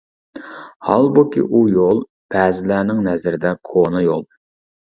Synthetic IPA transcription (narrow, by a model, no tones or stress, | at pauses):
hɑ̰lˠbukʲḭʔujolˠ | pʰɛːzɪlæːnɪŋnɛzɾɪd̪ɛkʰonɨjolˠ